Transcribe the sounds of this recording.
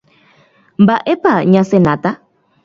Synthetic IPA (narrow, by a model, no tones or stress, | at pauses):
mbaʔɛpaɲãsɛnata